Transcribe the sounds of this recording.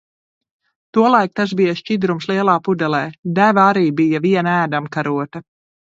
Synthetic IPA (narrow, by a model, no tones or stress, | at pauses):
t̪uɔlˠajk̚t̪asbijaʃʲt͡ʃid̪ɾumslˠiɛlˠaːpud̪ɛlˠɛːd̪ævaaɾiːbijaviɛnæːd̪amkaɾuɔt̪ɐ